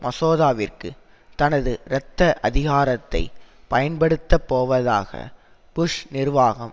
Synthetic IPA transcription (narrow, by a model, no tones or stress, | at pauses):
mʔɐsoːðaːʋɪrkɯ̰ | t̪ɐnɐðɯɾɛt̪ːɐʔɐðɪɣaːɾɐt̪ːɐɪpɐjɐnpɐɽɯt̪ːɐpːoːʋɐða̰ːɣɐ̰ | pʊʂnɪrʋaːɣɐm